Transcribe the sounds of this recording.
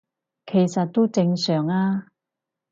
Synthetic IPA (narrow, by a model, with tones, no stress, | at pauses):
kʰe˨˩jsɐ˨t̚t̪ːo˥wt͡sɪ˧ŋsœː˨˩ŋaː˧